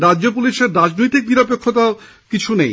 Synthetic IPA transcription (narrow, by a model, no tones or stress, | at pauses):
ɾad͡ʑd͡ʑopuliʃeɾːad͡ʑnojt̪ik̚niɾapekʰːot̪ao | kit͡ɕʰunej